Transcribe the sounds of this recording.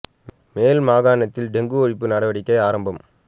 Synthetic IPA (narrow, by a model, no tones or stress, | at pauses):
meːlmaːɣaːɳɐt̪ːɪlɖɛŋɡɯɔɻɪpːɯnɐɽɐʋɐɽɪkːɐɪaːɾɐmbɐm